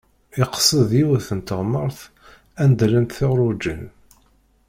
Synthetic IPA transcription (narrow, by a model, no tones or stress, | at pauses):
ɪqsˤəðjiwθənt̪əʁməɾˤθ | ænd̪lənt̪θɪʁɾˤud͡ʒən